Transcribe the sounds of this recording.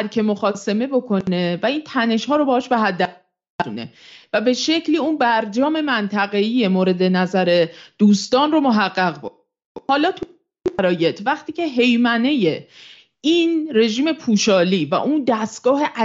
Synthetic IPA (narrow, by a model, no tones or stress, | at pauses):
ɾcʰe̞moxɒːse̞me̞bo̞kʰo̞ne̞væiːnt̪ʰæne̞ʃhɒːɾobɒhɒːʃbeɦæd̪ːæ | unḛvæbe̞ʃe̞cʰliːunbæɾd͡ʒɒːme̞mænt̪ʰæɣe̞iːje̞moːɾe̞d̪e̞næzæɾe̞d̪̥uːst̪ɒːnromo̞ɦæɢːæɣbo | hɒːlɒːt̪ʰu | æɾɒːje̞t̪ʰvæχt̪ʰiːcʰe̞ɦe̞jmæne̞je̞ | inre̞ʒiːme̞pʰuːʃɒːliːvæ̰ʔund̪æst̪̚ɡ̥ɒːɦe̞ʔæ